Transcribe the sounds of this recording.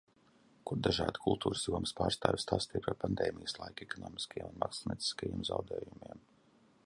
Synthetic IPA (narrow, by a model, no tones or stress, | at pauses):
kud̪aʒaːd̪kʰulˠt̪ʰuːɾsjuɔməspaːɾst̪aːjʲst̪aːst̪iɛpaɾpand̪eːmijəslˠajkɛkɔnɔːmiskjḛɛ̰munma̰ksnʲḭɛi̥skajiɛmza̰wd̪eːjumiɛm